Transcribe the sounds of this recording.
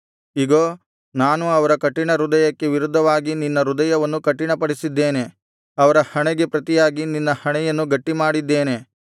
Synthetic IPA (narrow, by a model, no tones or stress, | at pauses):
iɡoː | naːnuɐʋɐɾɐkɐʈːiɳɐɾud̪ɐjɐkːe̞ʋiɾud̪ʱːɐʋaːɡininːɐɾud̪ɐjɐʋɐnːukɐʈːiɳɐpɐɽisid̪ːe̞ːne̞ | ɐʋɐɾɐhɐɳɛɡe̞pɾɐt̪ijaːɡininːɐhɐɳɛjɐnːuɡɐʈːimaːɽid̪ːe̞ːne̞